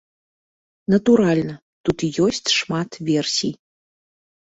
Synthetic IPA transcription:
nɐt̪uɾalʲnɐ | t̪ut̪ijɔsʲt͡sʲʂmat̪vʲɛrsʲij

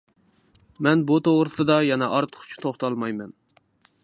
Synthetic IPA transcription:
mɛnbut̪oʁɾɨsɨd̪ɑjɛnɛʔɑɾt̪ʰə̥χʰt͡ʃʰi̥t̪ʰoχt̪ʰɑlˠmɑjmɛn

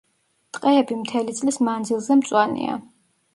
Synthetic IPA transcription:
t̪ʼqʼɛɛbimt̪ʰɛlit̪sʼlismand̪zilˠzɛmt̪sʼwanḭa̰

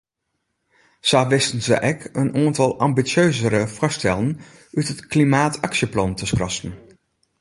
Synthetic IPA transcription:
sɑːʋɪstənzə̰ʔɛkənʔaːntɑlˠɑmbit͡ʃøɥzəɾəvɑstɛlən | ytɦətklimaːtɑkʃəplɑntəskrɑstən

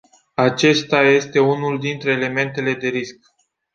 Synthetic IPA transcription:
at͡ʃe̞st̪aje̞st̪e̞unuld̪int̪ɾe̞ːle̞me̞nt̪e̞le̞d̪e̞ɾisk̚

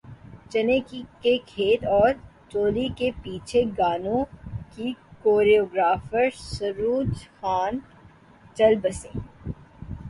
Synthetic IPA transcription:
t͡ʃɐneːkikekʰeːt̪ɔːɾt͡ʃoːlikepiːt͡ʃʰeɡaːnõkikoːɾioːɡɾaːfəɾsɐɾuːd͡ʒxaːn | t͡ʃɐlbɐsẽː

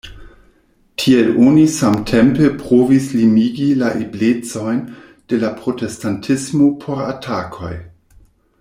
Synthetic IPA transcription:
tʰielonisamtʰempepɾovislimiɡilaʔeblet͡so̞jn | d̥e̞lapɾo̞testantʰismo̞pʰo̞ɾatʰakʰo̞̰j

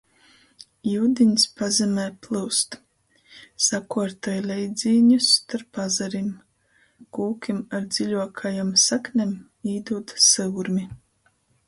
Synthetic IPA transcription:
juːd̪iɲspazɛmʲɛːplˠɨwst̪ | sakuɔɾt̪ajlʲɛjd̪zʲiːɲust̪aɾpːazaɾim | kuːkʲimaɾd̪z̥ʲiʎʲuɔkʰajamsaknʲem | iːd̪uːt̪sɨwɾmʲi

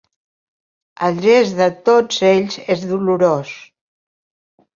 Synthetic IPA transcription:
əlˠʒezðət̪od͡zeʎzezðuluɾos

